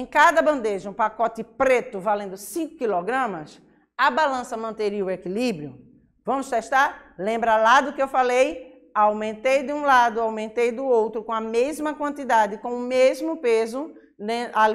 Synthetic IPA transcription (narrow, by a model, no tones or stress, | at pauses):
ẽkad̪ɐbɐ̃nd̪eʒɐũpakɔt̪ɪpɾet̪ʊvalẽnd̪ʊsĩkʊkilɔɡɾɐ̃mɐs | ɐbalɐ̃sɐmɐ̃nt̪eɾiʊekilibɾiʊ | vɐ̃mʊst̪ɛʃt̪aɾlẽmbɾalad̪ʊkɪewfalej | awmẽnt̪ejd̪ɪũlad̪ʊawmẽnt̪ejd̪ʊowt̪ɾʊkõɐmezmɐkwɐ̃nt̪id̪ad̪ɪkõʊmezmʊpezʊ | nẽal